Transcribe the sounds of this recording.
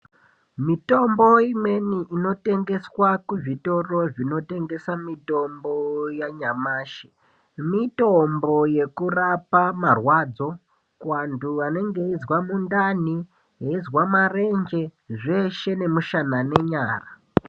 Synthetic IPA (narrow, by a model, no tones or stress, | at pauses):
mito̞mbo̞imwe̞niʔino̞te̞ŋɡe̞swakuʐito̞ro̞ʐino̞te̞ŋɡe̞samito̞mbo̞jaɲamaːʃe̥ | mito̞mbo̞je̞kurapamarwaːd͡zo̞ | kwanduane̞ŋɡe̞izwamundani | jeizwamare̞nd͡ʒe̞ʐe̞ʃe̞ne̞muʃanane̞ɲaːra